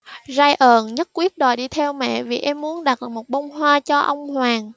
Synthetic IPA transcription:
zaː˧jʔəː˨˩nɲə˦˥t̚kwi˦˥ət̚ɗo˨˩jɗi˧t̪ʰɛ˧wmɛ̰˧˨vi˨˩ʔɛ˧mːu˨˦ənɗa˨˩t̚mo˨˩t̚ɓə˧wŋ͡mɦwaː˧t͡ɕɔ˧ʔə˧wŋ͡mhwaː˨˩ŋ

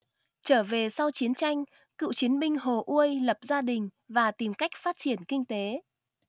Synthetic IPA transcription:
t͡ɕəː˧˩ve˨˩sa˧wt͡ɕi˨˦ənt͡ɕa˧jŋ̟ | kɨ̰˧˨wt͡ɕi˨˦ənɓï˧ŋ̟ɦo˨˩ʔu˧əjlə˨˩p̚zaː˧ɗï˨˩ŋ̟vaː˨˩t̪i˨˩mka˦˥jk̟̚faː˦˥t̚t͡ɕi˧˩ənkï˧ŋ̟t̪e˨˦

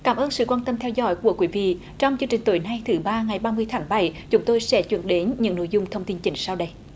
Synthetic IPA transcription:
kaː˧˩mʔəː˧nsɨ̰˧˨kwaː˧nt̪ə˧mt̪ʰɛ˧wzɔ̰˧˥˦jku˧˩əkwi˨˦vḭ˧˨ | t͡ɕɔ˧wŋ͡mt͡ɕɨ˧ŋt͡ɕï˨˩ŋ̟t̪o˧˨˩jna˧jt̪ʰɨ˨˦ɓaː˧ŋa˨˩jɓaː˧mɨ˧əjt̪ʰaː˨˦ŋɓa˧˩jt͡ɕʊ˨˦ŋ͡mt̪o˧jsɛ̰˧˥t͡ɕwḭ˧˩ənɗe˨˦nɲɨ̰˧˥ŋno̰˧˨jzʊ˧ŋ͡mt̪ʰə˧wŋ͡mt̪i˧nt͡ɕï˧˩ŋ̟saː˧wɗə˧j

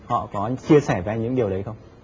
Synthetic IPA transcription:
hɔ̰˧˨kɔ˨˦t͡ɕi˧əsɛː˧˩zaː˧ɲɨ̰˧˥ŋɗi˨˩əwɗə˨˦jxə˧wŋ͡m

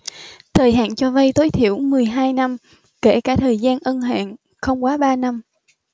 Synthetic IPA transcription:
t̪ʰəː˨˩jɦa̰ː˧˨nt͡ɕɔ˧və˧jt̪o˨˦jt̪ʰi˧˩əwmɨ˨˩əjɦaː˧jna˧m | ke˧˩kaː˧˩t̪ʰəː˨˩jzaː˧nʔə˧nɦa̰ː˧˨ŋ | xə˧wŋ͡mkwaː˨˦ɓaː˧na˧m

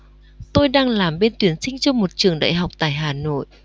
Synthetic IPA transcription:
t̪o˧jɗaː˧ŋlaː˨˩mɓe˧nt̪wi˨˩˦ənsï˧ŋ̟t͡ɕɔ˧mo˨˩t̚t͡ɕɨ˨˩əŋɗa̰ː˧˨jɦa˨˩wk͡p̚t̪a̰ː˧˨jɦaː˨˩no̰˧˨jʔ

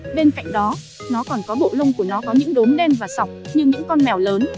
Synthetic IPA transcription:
ɓe˧nka̰˧˨jŋɗɔ˨˦ | nɔ˨˦kɔ˨˩nkɔ˨˦ɓo̰˧˨lə˧wŋ͡mku˧˩ənɔ˨˦kɔ˨˦ɲɨ̰˧˥ŋɗʊ˨˦mɗɛ˧mvaː˨˩sa˨˩wk͡p̚ɲɨ˧ɲɨ̰˧˥ŋkɔ˧nnɛ˨˩wləː˨˦n

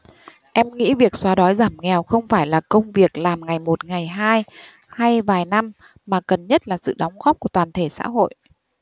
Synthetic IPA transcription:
ʔɛ˧mŋḭ˧˥vi˨˩ək̚swaː˨˦ɗɔ˨˦jzaː˧˩mŋɛ˨˩wxə˧wŋ͡mfaː˧˩jlaː˨˩kə˧wŋ͡mvi˨˩ək̚laː˨˩mŋa˨˩jmo˨˩t̚ŋa˨˩jɦaː˧j | ha˧jvaː˨˩jna˧m | maː˨˩kə˨˩nɲə˦˥t̚laː˨˩sɨ̰˧˨ɗɔ˨˦wŋ͡mɣɔ˦˥p̚ku˧˩ət̪waː˨˩nt̪ʰe˧˩sa̰ː˧˥ɦo̰˧˨jʔ

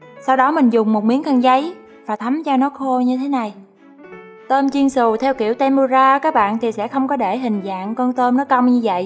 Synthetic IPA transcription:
sa˧wɗɔ˨˦mï˨˩ŋ̟zʊ˨˩ŋ͡mmo˨˩t̚mi˨˦əŋka˧˩ŋzə˨˦j | vaː˨˩t̪ʰa˨˦mt͡ɕɔ˧nɔ˨˦xo˧ɲɨ˧t̪ʰe˨˦na˨˩j | t̪əː˧mt͡ɕi˧nsɨ˨˩t̪ʰɛ˧wkḭ˧˩əwt̪ɛ˧mu˧zaː˧kaː˦˥k̚ɓa̰ː˧˨nt̪ʰi˨˩sɛ̰˧˥xə˧wŋ͡mkɔ˨˦ɗe˧˩ɦï˨˩ŋ̟za̰ː˧˨ŋkɔ˧nt̪əː˧mnɔ˨˦jkə˧wŋ͡mɲɨ˧və̰˧˨jʔ

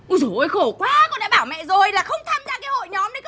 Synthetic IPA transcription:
ʔu˧˩zo˨˩˨jxo˧˩kwaː˨˦kɔ˧nɗa̰ː˧˥ɓaː˧˩wmɛ̰˧˨zo˨˩jlaː˨˩xə˧wŋ͡mt̪ʰaː˧mzaː˧kaː˨˦ho̰˧˨jɲɔ˨˦mɗə˨˦

